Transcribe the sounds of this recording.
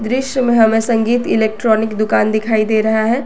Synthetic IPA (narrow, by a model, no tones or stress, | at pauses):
d̪ɾɪʃjəmẽɦɐmẽsɐ̃ŋɡiːt̪ɪleːk̚ʈɾɔːnɪkd̪ʊkaːnd̪ɪkʰaːid̪eːɾɐɦaɦɛː